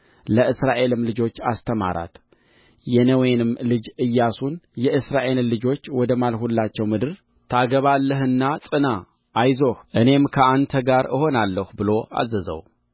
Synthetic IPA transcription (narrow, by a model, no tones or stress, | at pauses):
ləʔɨsɾaʔe̞lɨmlɨd͡ʒo̞t͡ʃːast̪ʰəma̰ɾa̰t̪ | jɛnəwenɨmlɨd͡ʒɨjːasunjɛʔɨsɾaʔe̞llːɨd͡ʒo̞t͡ʃːwɔd̪əmalhulːat͡ʃːɛwmɨd̪ɨɾ | t̪ʰaɡəβalːəɦɨnːat͡sʼɨna | ʔːjzo̞hʔɨne̞mkʰəant̪ʰəɡaɾɨ̰ho̞nalːəhubɨlo̞a̰zəzə̰w